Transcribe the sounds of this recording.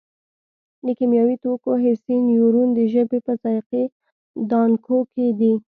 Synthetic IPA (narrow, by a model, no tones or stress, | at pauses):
d̪əkemjɑwit̪okoɦɪsinjuɾund̪əʒəbepəzɑjqe | d̪ɑnkʰoked̪i